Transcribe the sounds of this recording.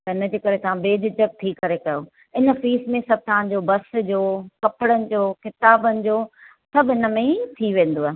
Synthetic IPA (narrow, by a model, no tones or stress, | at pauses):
t̪ɐɦɪnəd͡ʑeːkɐɾet̪ɐʋ̤ãbeːd͡ʑɪt͡ɕək̚t̪ʰikɐɾekɐjo | ɪnə̆fiːsmẽsɐb̚ʱt̪ɐʋãɲd͡ʑobɐsd͡ʑoːkɐpɪɽənɪ̆d͡ʑoːkɪt̪aːbənɪ̆d͡ʑoː | sɐbʱɦɪnə̆mẽt̪ʰiʋẽːn̆d̪oaːɦe